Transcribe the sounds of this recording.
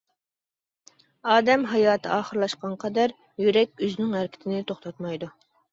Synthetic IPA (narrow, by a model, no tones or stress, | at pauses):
ɑːd̪ɛmɦɑjɑːt̪ʰɨɑːχəɾlˠɑʃqɑnqʰɑd̪æɾ | jyɾɛkʲøznɪŋæɾkʲʰɪ̥t̪ʰɪnɪt̪ʰoχt̪ʰɑt̪mɑjd̪u